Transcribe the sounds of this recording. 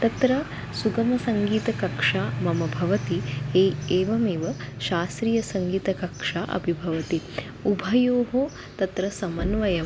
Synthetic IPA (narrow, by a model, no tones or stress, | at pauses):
t̪ɐt̪ɾɐ | suɡɐmɐsɐŋɡiːt̪ɐkɐkʂaːmɐmɐbʱɐʋɐt̪iɦeːeːʋɐmeːʋɐʃaːst̪ɾijɐsɐŋɡiːt̪ɐkɐkʂaːʔɐ̰bʱibʱɐʋɐt̪i | ubʱɐjoːɦo | t̪ɐt̪ɾɐsɐmɐnʋɐjɐ